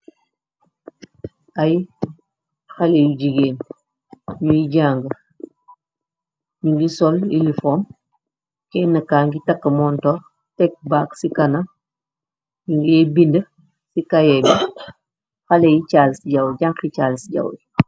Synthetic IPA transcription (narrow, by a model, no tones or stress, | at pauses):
aj | xalejuɟiɡeːn | ɲujiɟaːŋɡə | ɲuɡisɔlilifoːm | kɛːnːɐkaːŋɡitakːɐmɔːntoː | tɛk̚baːksikana | ɲuŋɡiebində | sikajebi | xalejit͡ʃaːlsiɟɐwɟaŋkit͡ʃaːlsɟa̰w